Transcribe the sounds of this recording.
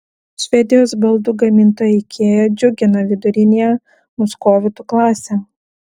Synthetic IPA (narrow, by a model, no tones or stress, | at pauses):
ʃʲʋʲɛd̪ʲɪjoːsbɐlˠd̪uːɡɐmʲɪnt̪oːjɛɪkʲʰeːjoːd͡ʒʲʊɡʲɪnɐʋʲɪd̪ʊɾʲɪnʲejɛ | mʊskoːʋʲɪt̪uklˠɑːsʲeː